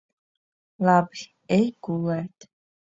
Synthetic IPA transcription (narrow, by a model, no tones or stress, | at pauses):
lab | ejɡulɛt̪